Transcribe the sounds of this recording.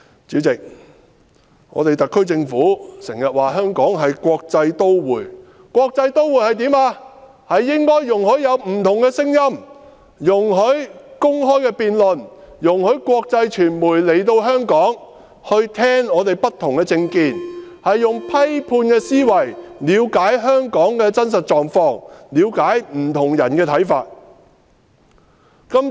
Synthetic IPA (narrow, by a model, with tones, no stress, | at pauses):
t͡siː˨˥wt͡sɪ˨k̚ | ŋɔ̰ː˨˧t̪e˨jt̪ɐ˨˩kʰːɵ˥ɥt͡sɪ˧ŋfuː˨˥sɪ˨˩ŋjɐ˨t̚waː˨˩ɦœː˥ŋkɔː˨˥ŋɦɐ˨jkʷɔː˧k̚t͡sɐ˧jt̪o˥wwuː˨˩j | kʷɔː˧k̚t͡sɐ˧jt̪o˥wuː˨˩jhɐ˨jt̪iː˨˥maː˧ | hɐ˨jːɪ˥ŋkɔː˥jːʊ˨ŋhɵ˨˥ɥjɐ˨˧wm̩˨˩t̪ʰʊ˨˩ŋkɛː˧sɪ˥ŋjɐ˥m | jʊ˨˩ŋɦɵ˨˥ɥkʊ˥ŋɦɔː˥jkɛː˧piː˨nlɵ˨njʊ˨˩ŋhɵ˨˥ɥkʷɔː˧k̚t͡sɐ˧jt͡ʃʰyː˨˩nmuː˨˩jle˨˩jt̪o˧wɦœː˥ŋkɔː˨˥ŋ | hɵ˧ɥt̪ʰɛː˥ŋɔː˨˧t̪e˨jpɐ˥t̪ʰːʊ˨˩ŋkɛː˧t͡sɪ˧ŋkiː˧nhɐ˨jːʊ˨˩ŋpʰɐ˥jpʰuː˧nkɛː˧siː˥wɐ˨˩jliː˨˧wkaː˨˥jɦœː˥ŋkɔː˨˥ŋkɛː˧t͡sɐ˥ns̬ɐ˨t̚t͡ʃɔː˨ŋfɔː˧ŋliː˨˧wkaː˨˥jm̩˨˩t̪ʰʊ˨˩ŋjɐ̰˨˩nkɛː˧t̪ʰɐ˨˥jfa̰ː˧t̚ | kɐ˥m